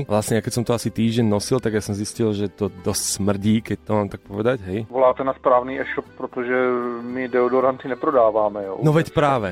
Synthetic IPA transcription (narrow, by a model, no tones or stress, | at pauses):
ʋlasɲɛjakɛcsɔmt̪ɔasit̪iːʒɟɛnnɔsilt̪aɡjaːsɔmziscilʒɛt̪ɔd̪ɔscsmr̩ɟiːkɛc̚t̪ɔmaːmt̪ak̚pɔʋɛd̪acɦɛjʋolaːt̪ɛnaspɾaːvniːʔɛʃɔp̚pɾot̪oʒɛmɪdɛɔdoɾant̪ɪnɛpɾodaːʋaːmɛjo̰nɔʋɛcpɾaːʋɛ